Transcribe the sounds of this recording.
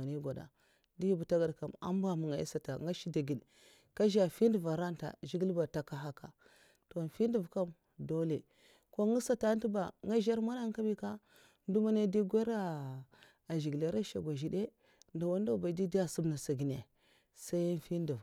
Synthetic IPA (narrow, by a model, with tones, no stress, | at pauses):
a˨ni˦ɡa˨da̰˨ | di˦ji˦bu˨ta˦ɡa˨dka˨ma̰˦m˦ba˦mu˨ŋa˨˦ḭ˦sa˨ta̰˨ŋɡa˦ʃi˦da˨ɡi˨n | ka˦ʒa˨fi˦ndu˨va˨ɾa˦nta̰˨ʒi˦ɡi˦lba˨ta˨ka˦ɦa˦ka˨ | to˨fi˦n˦du˨vka˦m | do˦le˨ | ko˦ŋi˦sa˦ta˦n˦tu˦ba˨ŋa˦ʒa˦ɾma˦na˦ŋ˦ka˦bi˦ka˦ | n˦du˦ma˦ne˦di˦ɡʷe˦ɾa˦ | a˨ʒi˨ɡle˨˦ɾa˦ʃa˨ɡʷa˨ʒi˨de˦ | nda˨wa˦nda˦˨ba˨˦di˦di˦a˦su˦bna˨sa˨ɡi˨ne˨ | sa˦i˦n˦fi˦n˦di˨v